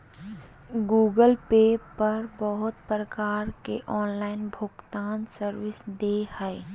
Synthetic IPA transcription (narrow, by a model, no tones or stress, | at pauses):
ɡuːɡəlpeːpəɾbəɦʊt̪̚pɾəkaːɾkeʔɔːnlaːɪnbʱʊɡt̪aːnsəɾwɪsd̪ehəɪ